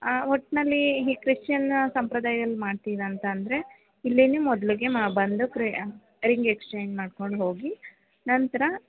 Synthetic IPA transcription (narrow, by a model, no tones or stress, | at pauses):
ɦɔʈːnɐlːiɦiːkɾiʂt͡ʃɐnːsɐmpɾɐd̪aːjɐd̪ɐlːimaːɖt̪iːʋɐːnt̪ɐːnd̪ɾe̞ | ilːinumɔd̪ɐliɡe̞mbɐnd̪ukɾi | ɾiŋɡekst͡ʃeːɲd͡ʒmaːɖko̞ɳɖɦo̞ːɡi | nɐnt̪ɐɾɐ